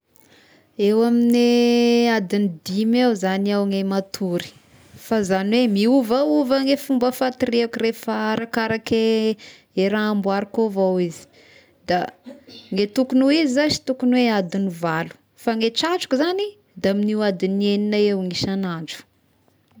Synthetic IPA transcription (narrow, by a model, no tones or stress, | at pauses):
ewaminead̪inid̪imewzaniawŋemat̪ʰuɾi̥ | fazaniwemiuvauvaŋefumbəfat̪iɾiakuɾefaɾakaɾake | eɾaambwaɾikovawizi̥ | d̪̥a | ŋet̪ukunuizizasi̥t̪ukunwead̪inivalu̥ | faŋeʈ͡ʂaʈ͡ʂu̥kuzani | d̪aaminiwad̪ineninaewŋiʃanaɳd͡ʒu̥